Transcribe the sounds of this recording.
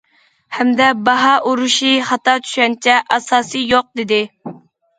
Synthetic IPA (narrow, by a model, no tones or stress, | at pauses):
hɛmd̪ɛbɑɦɑʔuɾuʃiχɑt̪ɑt͡ʃʰy̥ʃɛnt͡ʃʰɛʔɑsɑːsɨjoq̚d̪ɪd̪ɪ